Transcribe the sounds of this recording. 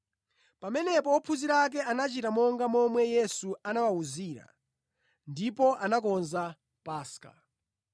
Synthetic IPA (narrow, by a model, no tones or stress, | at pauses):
pamɛnɛpɔɔpʰuziɾak̬ɛanat͡ʃitamɔŋɡamɔmwɛjɛsuanawauziːɾa̰ | ndipɔʔanak̬ɔnza | paːska̰